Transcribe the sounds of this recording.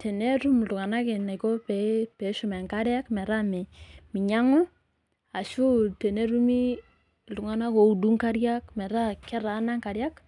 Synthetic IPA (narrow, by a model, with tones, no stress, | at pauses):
tʰɛ˨ne˦ɾu˦mldʊ˨ŋa˨na˦kɪ˨na˨kɔ˦pɛ˨˦pɛ˨˦ʃʊ˦mɛ˨ŋka˦ɾja˦kmɛ˨ɾa˦mɪ˨mɪ˨ɲa˦ŋʊ˦ | a˨ʃu˦tɛ˨ne˦ɾu˦mi˦ | ltʊ˨ŋa˨na˦ko˨u˨du˦ŋka˦ɾja˦kmɛ˨ɾa˦kɛ˦ɾa˨na˦ŋka˨ɾja˦k